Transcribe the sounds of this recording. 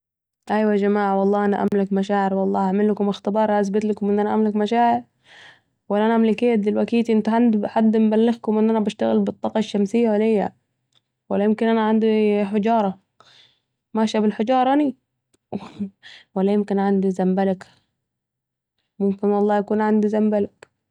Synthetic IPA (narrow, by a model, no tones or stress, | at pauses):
ʔajwad͡ʒamaːʕwɑlˤːɑːʔanaʔa̰mlakmaʃaːʕɪɾwɑlˤːɑːaʕmɪlːakʊmɪxt̪ɪbɑːɾˤʔas̬bɪt̪lakʊmʔɪnːʔanaʔamlakmaʃaːʕɪɾ | walːʔanaʔamlɪkeːt̪ːɪlwakiːt̪iʔɪnt̪ʕand̪ħad̪ːmbalːɪɣkʊmʔɪnːʔanabaʃt̪aɣɪlbɨt̪ˤːɑːqɑʃːamsɪjːawalɪjːa̰ | walːajɪmkɪnʔanaʕand̪iħɪd͡ʒɑːɾˤɑ | maʃabɪlħɪd͡ʒɑːɾˤɑʔani | walːajɪmkɪnʕand̪izambalak | mʊmkɪnwɑlˤːɑːjakuːnʕand̪izambalak